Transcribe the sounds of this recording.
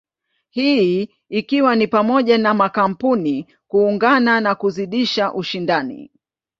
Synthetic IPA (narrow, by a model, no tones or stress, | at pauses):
hiiː | kiwanipamɔʄanamakam̩puni | kuːŋɡananakuziɗiʃaʔuʃindanḭ